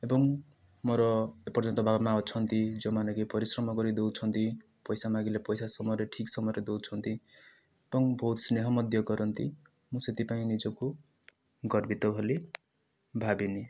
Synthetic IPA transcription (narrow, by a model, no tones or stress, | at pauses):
ebʌŋ | mʌɾʌepʌrd͡zʌnt̪ɔbʱabamaɔt͡sʰʌnt̪id͡zʌmanʌɡipʌɾisrʌmʌɡʌɾid̪owt͡sʰʌnt̪ʰi | pʌjsamaɡilepʌjsasʌmʌɾeʈʰiksʌmʌɾed̪owt͡sʰʌnt̪i | ebʌŋbʱot̪sneɦʌmʌd̪jʌɡʌɾʌnt̪i | muset̪ipaĩnid͡zoku | ɡʌrbit̪ʌbʱʌle | bʱabini